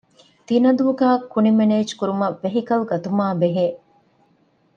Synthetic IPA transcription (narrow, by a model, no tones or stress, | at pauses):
t̪inɐd̪uːɡæːkːunimeneːd͡ʒkuɾumɐːeɦikɐlɡɐt̪umaːbeɦeː